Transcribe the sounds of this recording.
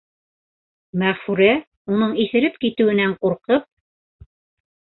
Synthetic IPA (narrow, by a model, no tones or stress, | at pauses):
mæʁfʉɾæ | unɤɴiθɘ̆ɾɘpkit̪ɘ̆wɘ̆næɴquɾqɤp̚